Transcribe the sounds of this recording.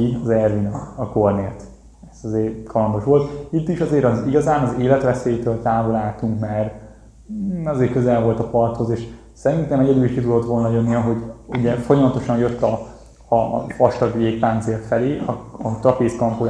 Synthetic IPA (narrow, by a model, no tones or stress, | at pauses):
iɒzɛrvinɒɒkorneːlt̪ | ɛsɒzeːrkʰɒlɒnd̪o̞ʃʋo̞lt̪it̪ːiʃɒzeːɾɒziɡɒzaːnɒzeːlɛt̪ʋɛseːjt̪øːlt̪aːvolaːlt̪uŋkmaːr | ɒzeːrkø̞zɛlvo̞lt̪ɒpɒrt̪ho̞zeːʃ | sɛɾint̪ɛmɛɟɛd̪yliʃkit̪ud̪o̞t̪ʋo̞lnɒjønːiɒɦo̞ɟuɟɛfo̞jɒmɒt̪o̞ʃɒnjøt̪ːɒ | ɒ̰fɒʃt̪ɒɡjeːkpaːnt̪seːrt̪fɛleːɒɒt̪ɒpeːskɒmpoː